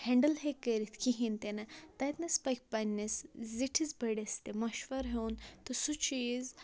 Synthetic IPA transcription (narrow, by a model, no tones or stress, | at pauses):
heɳɖəlɦekəɾit̪ʰkiɦint̪enɐt̪ɐjt̪nɐspɐjk̚pɐnʲːesziʈʰizbɐɽest̪emɐʃʋɐɾɦewnt̪osut͡ʃiːz